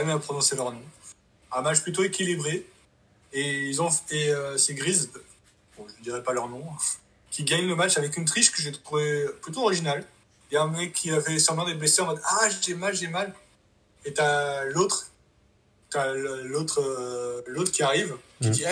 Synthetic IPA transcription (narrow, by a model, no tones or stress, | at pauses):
ɛmɛapχɔnɔ̃selœʁnɔ̃ | ɛ̃mat͡ʃplyt̪oekʲilibʁe | eilzɔ̃eøsɛɡʁiz | bɔ̃ʒəd̪iʁɛpalœʁnɔ̃ | kʲiɡaɲnəmat͡ʃavɛk̬ynt̪χiʃkəʒet̪uvɛplyt̪oɔʁiʒinal | ɛ̃mɛkʲʰːiafɛsɛ̃bɛ̃d̪eblɛseɑ̃fɛt̪aʒʒɛmalʒɛmal | et̪alot̪χ | t̪allot̪χølot̪χkʲiaʁivkʲid̪iɛ